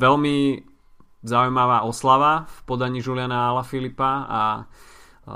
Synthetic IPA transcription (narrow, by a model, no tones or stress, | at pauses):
ʋɛlmi | zaujmaʋaːʔɔslaʋafpɔd̪aɲiːʒulɪanaalafilipaa̰